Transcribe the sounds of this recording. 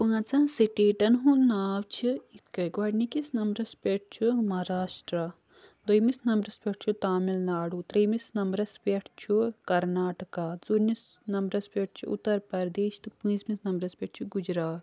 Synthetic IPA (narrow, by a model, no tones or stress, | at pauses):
pɨŋɐt͡sɐ̃ːsiʈeːʈɐnɦũnaːʋt͡ʃʰiit̪kɐɡʋɐɖnikisnɐmɾɐspʲeʈ̚ʰt͡ʃʰumɐɾaːʃʈɾa | d̪ojmisnɐmbɾɐspʲɐʈ̚ʰt͡ʃʰut̪aːmilnaːɽut̪ɾɐjmisnɐmbɾɐspʲeʈʰt͡ʃʰukɐɾnaːʈɐkaːzuɾnis | nɐmbɾɐspʲɐʈ̚ʰt͡ʃʰuṵt̪ːɐɾpɐɾd̪eːʃt̪ɨpɨ̃ĩzmisnɐmɾɐspʲeʈ̚ʰt͡ʃʰuɡud͡ʒɾaːt̪